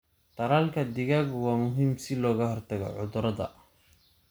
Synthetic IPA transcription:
t̪ɐɾaːlkʰɐd̪ɪɣaːɡwɑːmʊɦiːmsɪlɔːɣɐhɔrt̪ʰɐɣɔ̰ʕʊðʊɾɐðɐ̰

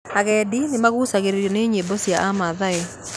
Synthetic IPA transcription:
aɣɛdinemaɣusaɣeɾeɾjɔneːɲembosiaʔamaðaɛ

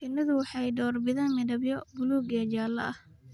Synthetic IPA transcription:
ʔɪnɪðʊwɑħɑjɖɔːrbɪðɐːnmɪðɐbjɔbʊluːɡɛːd͡ʒaːlɐ̰ʔɐh

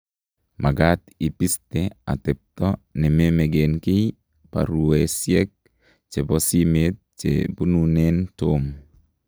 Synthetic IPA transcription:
maɡatipistea̰tɛp̚tɔnɛmemeɡenkɪj | pa̰ɾuesjɛk̚ | t͡ʃebɔsimet̚t͡ʃḛbununentom

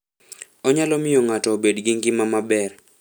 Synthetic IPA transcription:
ɔɲalɔmɪjɔŋatɔːbedɡɪŋɡɪmamabɛr

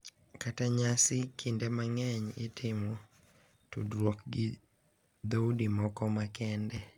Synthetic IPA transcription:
kataɲasɪkʰindɛmaŋɛɲɪtʰɪmwɔ | tudɾwɔk̚ɡi | d̪audimɔkɔmakɛndɛ

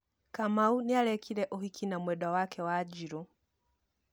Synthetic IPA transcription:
kamaunialɛkʰiɾɛʔɔhikʰinamwɛɗawakɛwad͡ʒiɾu

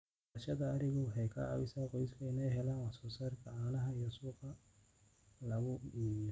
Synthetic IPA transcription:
ʃɐðɐːɾɪɣɔɦɛjkʰɐ̰a̰βɪsaqɔjskʰɐɪnɛjɦɛlaːnwɑhsɔːsaːrkʰɐaːnɐɦɐijɔsuːqɐ | lɐɣʊimjɔ

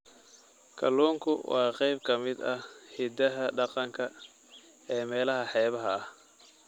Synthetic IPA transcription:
kʰɐlɔːŋkʰʊwɑːqɛjb̚kʰɐmɪd̪ɐhhɪd̪ɐɦɐɖɑqɑŋkʰɐ | ɛːmɛːlɐɦɐħɛːβɐɦɐh

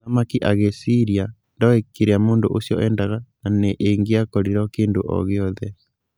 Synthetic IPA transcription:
amakiʔaɣesiɾia | ndɔekːeɾeamoːndoʔosjɔʔɛndaɣananeʔeŋɡeakɔɾiɾɔkeːndoʔɔ̰ɣeɔðɛ

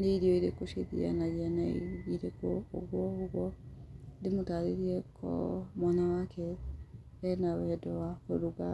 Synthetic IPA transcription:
ndeiɾiɔiɾekoʃḛðḭa̰naɣianaiɾekoo̰ɣwɔoɣwɔndemotaðeɾiɛkʰɔ̰mwanawakʰɛ | ɛnawɛɛdɔwafoɾuɡa

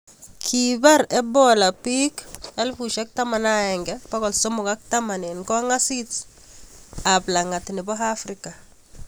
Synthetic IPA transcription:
kʰibaɾebɔlapikalfuʃak̚tamanaɛŋɡɛpakɔlsomukak̚tamanenkoŋasit | ablaŋatiniboɦafɾika

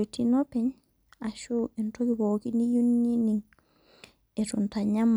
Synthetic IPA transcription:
tinɔpɛɲ | aʃuɛntokibokinijunːiniŋ | ɛtuntaɲamː

